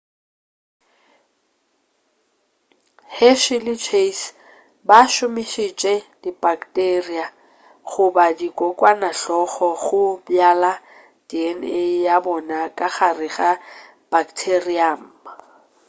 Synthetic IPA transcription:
hɛʃɪlɪt͡ʃʰes | baʃʊmiʃit͡ʃʼɛdibaktʼeria | ɣʊbadikʼɔkʼwanaɬɔχɔɣʊbjala | diɛnɪjabɔnakʼaɣarɪɣa | b̥aktʰeriam̩ːba

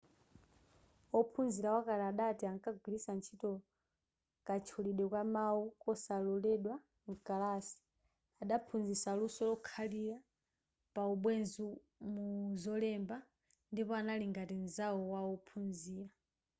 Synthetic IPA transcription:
ɔpʰunziɾawakalɛaɗatiaŋkaɡ̚ʱwilisant͡ʃʰitɔ | kat͡ʃʰuliɗɛkwamaukɔsalɔlɛɗwa | ŋkalasi̥ | aɗapʰunzisalusɔlɔkʰaliɾa | pauɓwɛnzu | muzɔlɛmba | ndipɔanaliŋɡatinzaɔwaɔpʰunziːɾa

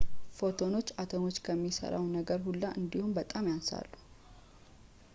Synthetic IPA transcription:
fo̞t̪ʰo̞no̞t͡ʃːat̪ʰono̞t͡ʃːkʰəmːisə̰ɾa̰wnəɡəɾhulːaʔɨnd̪ihunbət̪ʼamjansa̰lːu

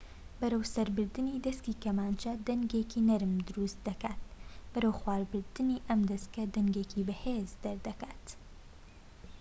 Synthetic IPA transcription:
bɐɾɐwsɐɾbɨɾd̪ɨniːd̪ɐskiːkɐmaːnt͡ʃɐd̪ɐŋɡekinɐɾɨmd̪ɨɾust̪̚d̪ɐkaːt̪̚bɐɾɐwxwaːɾbɨɾd̪ɨniːʔɐmd̪ɐskɐd̪ɐŋɡeːkʰibɪhezd̪ɐɾd̪ɐkaːt̪

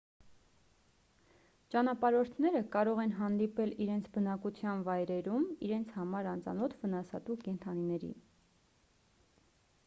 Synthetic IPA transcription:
t͡ʃɑnɑpɑɾɔɾt̪ʰnɛɾəkɑɾɔʁɛnɦɑnd̪ipɛliɾɛnt͡sʰbənɑkut͡sʰjɑnvɑjɾɛɾumiɾɛnt͡sʰhɑmɑɾɑnt͡sʰɑ̰nɔt̪ʰvənɑsɑt̪ukɛnt̪ʰɑninɛɾḭ

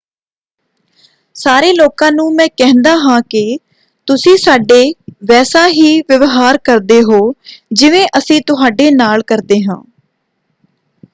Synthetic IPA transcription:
saːɾeːloːkãːnũːmɛ̃ːkɛɦnd̪aːɦãːkɪ | t̪ʊsĩːsaːɖeːʋɛːsaːɦiːʋəʋɦaːɾkəɾd̪eːɦoːd͡ʒɪʋẽːʔəsĩːt̪ʊɦaːɖeːnaːlkəɾd̪eːɦãː

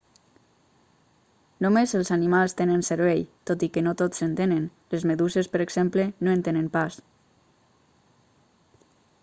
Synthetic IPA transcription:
nomezəlˠzanimalˠst̪enənsəɾβejt̪ot̪ikənot̪osent̪enenlezmeðuzespəɾeɡz̥emplenoent̪enempas

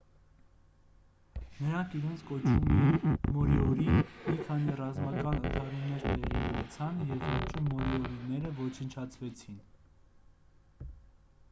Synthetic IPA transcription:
nəɾɑŋkʰiɾɛnt͡sʰkɔt͡ʃʰumɛmɔɾiɔɾimikʰɑnirɑzmɑkɑnənt̪ʰɑɾunːɛɾt̪ɛʁiunɛt͡sʰɑnjɛvɔt͡ʃəmɔɾiɔɾinɛɾəvɔt͡ʃʰənt͡ʃʰɑt͡sʰvɛt͡sʰin

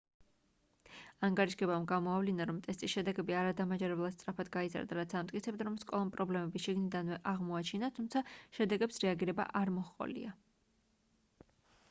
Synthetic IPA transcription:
aŋɡaɾiʃɡɛbamɡamɔavlinaɾɔmt̪ʼɛst̪ʼisʃɛd̪ɛɡɛbiaɾad̪amad͡ʒaɾɛblˠat̪st̪sʼɾapʰad̪ɡaiza̰ɾd̪aɾat̪sʰamt̪ʼkʼit̪sʰɛb̚d̪aɾɔmskʼɔlˠampʼɾɔblɛmɛbisʃiɡnid̪anvɛʔaʁmɔat͡ʃʰinat̪ʰumt̪sʰaʃɛd̪ɛɡɛpsɾɛaɡiɾɛba̰ʔaɾmɔχqʼɔ̰lḭa

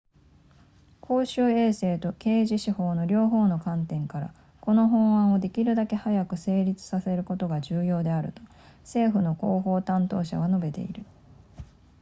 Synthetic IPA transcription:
kʰo̞ːɕɨːe̞ːse̞ːt̪o̞ke̞ːʑiɕiho̞ːno̞ɾʲo̞ːɦo̞ːno̞kãnt̪ẽ̞ŋkaɾa̰ | ko̞no̞ɦõ̞ɰ̃ãɰ̃o̞d̪e̞kʲiɾɯ̟d̪ake̞hajakɯ̟se̞ːɾʲit͡sɨ̥sase̞ɾɯ̟ko̞t̪o̞ɡaʑɨːjo̞ːd̪e̞aɾɯ̟̰t̪o̞̥ | se̞ːɸɯ̟no̞ko̞ːɦo̞ːt̪ãnt̪o̞ːɕa̰ɡano̞be̞t̪e̞̰ḭɾɯ̟

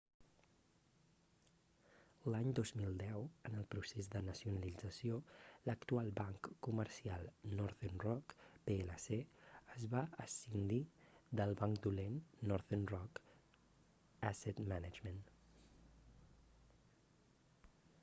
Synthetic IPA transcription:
laɲd̪ozmilˠd̪ɛwənəlˠpɾusezd̪ənəsiunəlid͡zəsijoləkt̪ualˠbaŋkːuməɾsialˠnɔɾðenrɔkpeeləseəzβaəsind̪id̪əlˠβaŋkd̪ulenːɔɾðenrɔk | aset̪manəd͡ʒmən

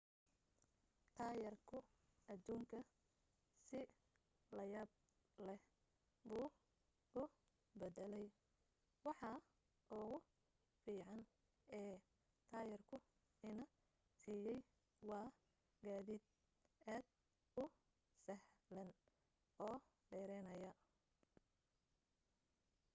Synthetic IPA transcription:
t̪ʰaːjɐrkʰʊ | ɐd̪uːŋkʰɐ | sɪ | lɐjaːb̚ | lɛh | buː | ʊ | bɛd̪ɛlɛj | wɑħɑ | ʊɣʊ | fiːʕɑn | ɛː | t̪ʰaːjɛrkʰʊ | ɪnɐ | siːjɛj | wɑː | ɡaːðiːd̪̚ | aːd̪̚ | ʊ | sɐhlɐn | ɔː | ɖɛːɾɛjnɐjɐ

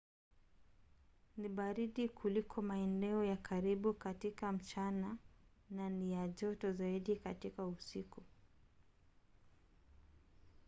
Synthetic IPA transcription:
niɓaɾiɗikʰulikʰɔmaɛnɛɔjakʰaɾiɓukatikam̩t͡ʃanananijaʄɔtɔzaiɗikatikausiku

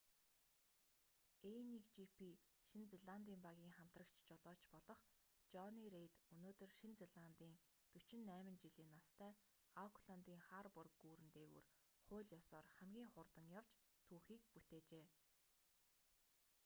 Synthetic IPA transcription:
enikt͡ɕipʰiʃint͡seɮant̪iːmpaɣʲiːŋχam̥t̪rə̆kt͡ɕʰt͡ɕɔɮɔːt͡ɕpɔɮɞ̆χ | t͡ɕɔniɾejt̪ɵnoːt̪ɵ̆rʃint͡seɮant̪iːŋ | t̪ɵt͡ɕɪ̆nːæːmɘ̆nt͡ɕiɮiːnːast̪ʰæː | akʰɮant̪iːŋχaːrpʊrkːuːɾɘ̆nt̪eːɣṵr | χʊːɮjɔsɔːrχæmɡʲiːŋχʊrt̪ə̆ŋjaw̥t͡ɕ | t̪ʰuːxiːk̚put̪eːt͡ɕeː

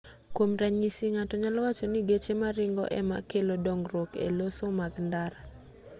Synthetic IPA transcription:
komɾaɲisiŋatɔɲalwat͡ʃɔnɪɡet͡ʃemaɾɪŋɡɔ̰ʔɛ̰ma̰kelodɔŋɾokḛlosomaɡndaɾa

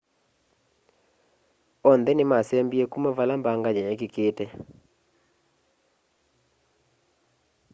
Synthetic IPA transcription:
ɔnd̪ɛnɪmasɛmbiekumavalambaŋɡaɲaɲɛkɪkɪtɛ

